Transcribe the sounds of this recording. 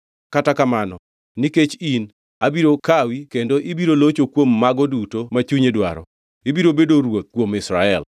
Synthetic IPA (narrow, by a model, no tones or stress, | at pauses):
katakamanɔ | niket͡ʃin | abiɾokawikendoʔɪbiɾolot͡ʃokwomːaɡɔdutomat͡ʃuɲedwa̰ɾɔ̰ | ibiɾobedoɾwok̚ːwomɪsɾaɛl